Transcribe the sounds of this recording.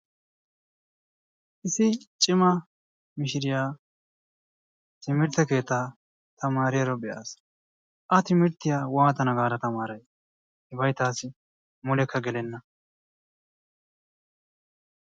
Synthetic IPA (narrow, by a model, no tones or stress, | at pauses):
ʔɪsɪt͡ʃʼɪmɐ | mɪʃɪɾɪjaː | t̪ɪmɪɾt̪ɛke̞ːt̪ːaː | t̪ɐmaːɾɪjɐɾɔbɛʔa̰ːs | ʔɐt̪ɪmɪɾt̪ːɪjaːwaːt̪ɐnɐɡaːɾɐt̪ɐmaːɾɐj | hɪbɐjt̪aːsɪ | mʊlɛkʰːɐɡɛlɛnːɐ